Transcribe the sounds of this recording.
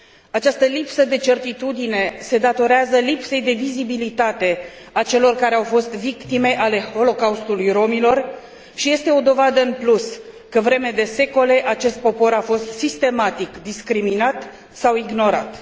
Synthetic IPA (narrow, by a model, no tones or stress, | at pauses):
at͡ʃast̪əlipsəd̪e̞t͡ʃe̞rt̪it̪ud̪ine̞se̞d̪at̪o̞ɾeazəlipse̞jd̪e̞vizibilit̪at̪e̞ | at͡ʃe̞lo̞rkaɾeawfo̞st̪vikt̪ime̞ʔale̞ho̞lo̞kaust̪ulujro̞milo̞r | ʃije̞st̪e̞o̞d̪o̞vad̪əɨnplus | kəvɾe̞med̪e̞se̞ko̞le̞ʔat͡ʃe̞st̪̚po̞po̞ɾafo̞st̪sist̪e̞mat̪ikd̪iskɾiminat̪ | sawiɡno̞ɾat̪